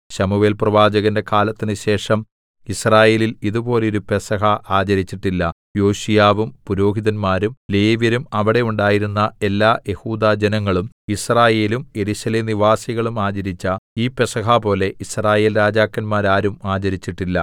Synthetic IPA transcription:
ɕɐmuʋe̞ːlprɐʋaːd͡ʑɐɣɐnde̞kaːlɐt̪ːinɨɕe̞ːʂɐm | israːje̞ːliliðubo̞ːleiɾupe̞sɐɦɐʔaːd͡ʑɐɾit͡ɕːiʈːilːɐ | jo̞ːɕijaːʋumpuɾo̞ːɦiðɐnmaːɾumle̞ːʋjɐɾumɐʋiɽe̞uɳɖaːjiɾunːɐe̞lːaːje̞huːd̪aːd͡ʑenɐŋːɐɭum | israːje̞ːlume̞ɾuɕɐleːmniʋaːsiɣɐɭumaːd͡ʑɐɾit͡ɕːɐiːpe̞sɐɦapo̞ːle̞ʔisraːje̞ːlɾaːd͡ʑaːkːɐnmaːɾaːɾumaːd͡ʑɐɾit͡ɕːiʈːilːɐ

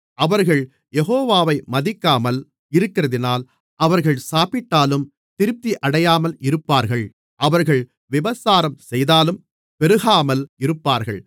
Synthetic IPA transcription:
ʔɐʋɐɾɣɐɭ | jɛɣoːʋaːʋɐɪmɐðɪkːaːmɐl | ɪɾɯkːɪɾɐðɪnaːl | ʔɐʋɐɾɣɐɭsaːpɪʈːaːlɯm | t̪ɪɾɯp̚t̪iʔɐɽɐjaːmɐlɪɾɯpːaːɾɣɐɭ | ʔɐʋɐɾɣɐɭ | ʋɪʋɐsaːɾɐmsɛjðaːlɯm | pɛɾɯɣaːmɐlɪɾɯpːaːɾɣɐ̰ɭ

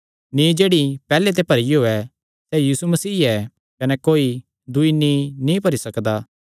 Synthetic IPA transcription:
nĩd͡ʒeːɽipɛːlet̪̬epɐɾiɦoːɛ | sɛjiːsumɐsiːɛ | kɐnɛkoːi | d̪ʊinĩnĩpɐɾisɐkd̪a

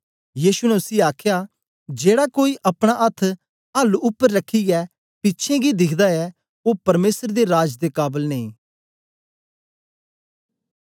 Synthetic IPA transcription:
jiːʃunɛʊsiaːkʰjaː | d͡ʒeːɽakoːiʔɐpɽ̃aʔɐt̪ʰː | ɐlʊpːəɾːəkʰːiɡɛː | pɪtːʃʰẽɡid̪ɪkʰd̪aɛ | opɐɾmeːsəɾd̪eɾaːd͡ʒd̪ekaːbəlneĩː

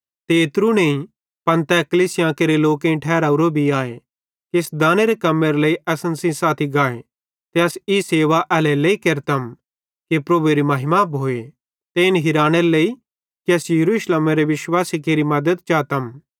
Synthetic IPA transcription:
t̪eːt̪ɾuneĩ | pɐ̃nt̪ɛkɐliːsɪjãːkeɾeloːkẽʈʰɛːɾaːuɾobʱiaːe | kiɪsd̪ãːneɾekɐmːeɾeleiʔɛːsənsĩsaːt̪ʰiɡaːe | t̪eɐsiseːʋaʔɛːleleikeɾt̪ɐm | kipɾɐbueɾimɐɦɪmapɦoːe | t̪eɪnɦɪɾaːneɾelei | kiɐsjɐɾuːʃlemeɾeʋɪʃwaːsikeːɾimɐd̪əd̪̚t͡ʃaːt̪ɐm

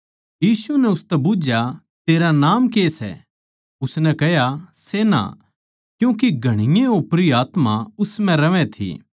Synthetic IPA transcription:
jiːsunɛʊst̪ɛbʊd͡ʒja | t̪eːɾanaːmkeːsɛ̰ | ʊsnɛ̃kɛɦjasena̰ | kjũːk̬iɡʱɐɽ̃ɪjẽopɾiaːt̪maʊsmɛ̃ɾɐʋɛ̃t̪ʰḭː

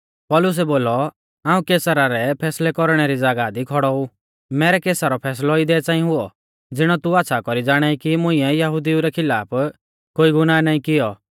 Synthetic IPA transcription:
pɔlʊs̬ɛboːlɔ | ãːũkeːsəɾaɾɛpʰɛːslɛkɔɾɽ̃ɛɾid͡zaːɡad̪ikʰɔɽɔu | mɛːɾɛkeːsaɾɔpʰɛːs̬lɔid̪ɛːt͡saːĩɦʊɔ | d͡zɪɽ̃ɔt̪uaːt̪ːʃʰakɔɾid͡zaːɽ̃aikimʊ̃ĩɛjɐɦʊd̪iuɾɛkʰɪlaːpʰ | koːiɡʊnaːnaːĩkɪjɔ

